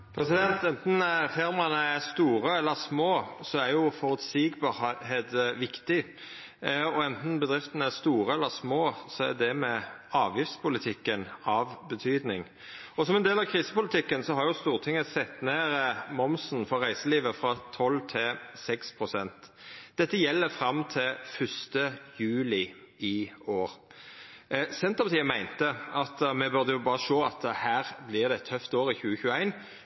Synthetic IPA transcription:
pʰɾɛsɪd̪ɛnt̪ɛnt̪n̩fɪɾmɑnəæst̪uːɾəɛlːəsmoːsɔæɾjʊfɔɾʉt̪sɪːɡbɑɦeːt̪ʋɪkt̪ɪ | ɔɛnt̪n̩bəd̪ɾɪft̪ənəæst̪uːɾəɛlːəsmoːsɔæd̪ɛmɛɑːʋjɪft̪spʰʊlɪt̪ʰɪkːənɑʋbət̪ʰyːd̪nɪŋ | ɔsɔmɛnd̪eːlɑʋkʰʁiːsə̥pʊlɪt̪ʰɪkːənsɔhɑɾjʊst̪uːʁt̪ʰɪŋːəsɛt̪ːneːɾəmɔmsn̩fɔʁæɪsəliːʋəfɾɑt̪ʰɔlːt̪ʰɪsɛkspʰʁʊsɛnt̪d̪̥ɛt̪ːəjɛlːəfɾɑmt̪ʰɪlfœʂt̪əjʉːlɪ | ɪoːʁ | sɛnt̪əpɑt̪iːəmæɪnt̪əɑt̪mɛbʉʁd̪əjʊbɑːʁəʃoːɑt̪hæːʁblɪʁd̪ɛɛt̪ʰːœft̪oːɾɪçʉːəçʉːəæɪn

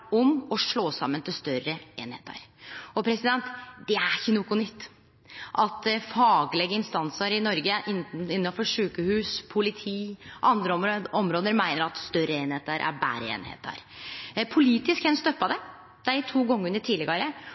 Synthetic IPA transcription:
ɔmɔʂɭoːsɑ̰mːənt̪ʰɪlst̪œɾəeːnhḛːt̪ʰə̰ɾɔpʰɾɛsɪd̪ɛnt̪d̪̥ɛæɾçənʊkʊnʏt̪ː | ʔɑt̪fɑːɡlɛɡəɪnst̪ɑnsəɾɪnɔɾɡəʔɪɪnːɑfɔʂʉːkəhʉːspʰʊlɪt̪ʰiːʔɑnd̪ɾəɔmɾoːd̪əɾmæɪnəɾɑt̪st̪œɾːəeːnheːt̪əɾʔæ̰ɾbæ̰ːɾəḛːnhḛːt̪æ̰ɾpʰʊliːt̪ɪskɛnst̪œpːɑd̪ɛ | d̪̥æt̪ʰuːɡɔŋːəʉnəʈʰiːdlɪɡɑɾə

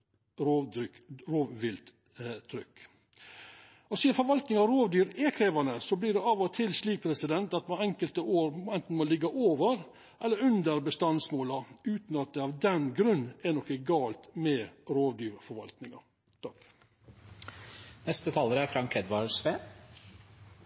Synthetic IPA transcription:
oʏɾoːʋʋɪlt̪ | t̪ʰɾʏkː | ɔsiːɑfɔɾʋɑlt̪nɪŋɑɾoːʋd̪yːɾɛkʰɾeːʋɑnəsɔbliːɖɛɑːʋɔt̪ʰɪlsliːk̚pʰɾɛsɪd̪ɛnt̪ɑt̪mɑɛŋkəlt̪əoːɾɛnt̪n̩molɪɡːɑʔoːʋəɾ | ʔɛlːəɾʉnd̪əɾbəst̪ɑnsmoːlɑʉːt̪nɑt̪̚d̪ɛɑʋd̪ɛnɡɾʉnːɛnɔkəɡɑːlt̪mɛːɾoːʋd̪yːɾfɔɾʋɑ̰lt̪nɪŋɑ̰ | t̪ʰɑk | nɛst̪ət̪ʰɑːləɾəæɾfɾɑŋkʰɛd̪ʋɑsʋeː

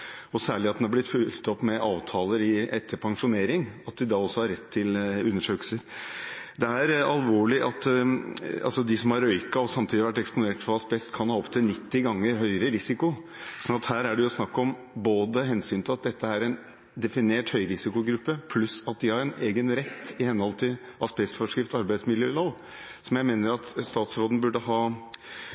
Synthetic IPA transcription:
ɔsæːɭɪɑt̪̚d̪nɑblɪt̪fʉlt̪ɔpːmɛʔɑːʋt̪ʰɑːləɾɪɛt̪ːəɾpʰɑŋʂʊneːɾɪŋɑt̪̚d̪ɪd̪ɑːɔsːɔhɑɾɛt̪ʰːɪlʉnːəʂøːkəl̩səɾd̪ɛæɾɑlʋoːɭɪʔɑt̪ː | ɑ̰lsɔd̪ɪsɔmhɑɾœʏkɑɔsɑmt̪ʰiːd̪ɪɑʋæʈ̬ːɛkspʊneːʈfɔɑsbɛst̪kʰɑnhɑːɔpt̪ʰɪlnɪt̪ːɪɡɑŋːəɾɦœʏɾəɾɪsɪkʊ | sɔnɑt̪hæːɾæɖɛjʊsnɑkːɔm | boːd̪əɦɛnsyːnt̪ʰɪlɑt̪̚d̪ɛt̪ːəæɾɛn | d̪ɛfɪneːʈhœʏɾɪsɪkʊɡɾʉpːəpʰlʉsɑt̪̚d̪ɪhɑɾɛneːɡənɾɛt̪ːɪhɛnhɔlt̪ʰɪlʔɑspɛsfɔʂkɾɪft̪ɑɾbæɪsmɪljøːloːl | sɔmjæɪmeːnəɾɑt̪st̪ɑːt̪sɾoːd̪n̩bʉɖəɦɑː

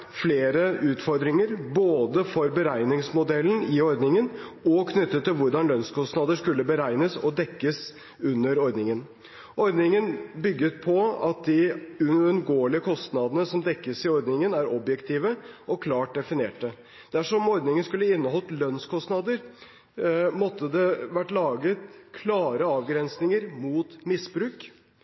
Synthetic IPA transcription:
fleːɾəʉːt̪fɔɾd̪ɾɪŋəɾboːd̪əfɔɾbəɾæɪnɪŋsmʊd̪ɛlːn̩ɪɔɾd̪nɪŋənɔkʰnʏt̪ːət̪ʰːɪlʋʊɾɖɑnlœnskʰɔst̪nɑd̪əʂkʉlːəbəɾæɪnəsɔd̪ɛkːəs | ʉnːəɾɔɾd̪nɪŋən | ʔɔɾd̪nɪŋənbʏɡːət̪̚pʰɔɑt̪̚d̪ɪʉənɡoːəɭɪəkʰɔst̪nɑd̪ənəsɔmd̪ɛkːəsɪɔɾd̪nɪŋənæɾɔbjɛkt̪ʰiːʋəɔkʰlɑːʈ̚d̪ɛfɪneːʈ̚d̪ə | d̪̥æʂɔmɔɾd̪nɪŋənskʉlːəɪnːəɦɔlt̪lœnskʰɔst̪nɑd̪əɾ | mɔt̪ːəd̪ɛʋæʈːlɑːɡət̪kʰlɑːɾəɑːʋɡɾɛnsnɪŋəɾmuːt̪mɪsbɾʉːk

